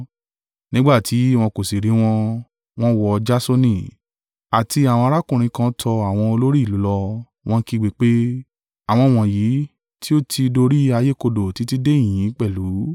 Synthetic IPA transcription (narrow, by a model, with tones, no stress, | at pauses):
nĩ˦ɡ͡ba˦˨ti˨˦w̃ɔ̃˧ko˨si˨ɾi˨˧˦w̃ɔ̃˧ | w̃ɔ̃˦wɔ˧d͡ʒa˦so˧nĩ˦˨ | a˨ti˧a˨w̃ɔ̃˧a˧ɾa˦kũ˦˨ɾ̃ĩ˧kã˧˦tʰɔ˧a˨w̃ɔ̃˧o˧lo˦ɾi˦˨lu˨˦lɔ˧ | w̃ɔ̃˦ki˧ɡ͡bi˨˦k͡pe˦ | a˨w̃ɔ̃˧˨w̃ɔ̃˨ji˨˦ | ti˦o˦tʰi˧do˧ɾi˦a˧je˦ko˧do˨ti˨˦ti˦dẽ˦˨ĩ˨˦k͡pɛ˦˨lu˨˦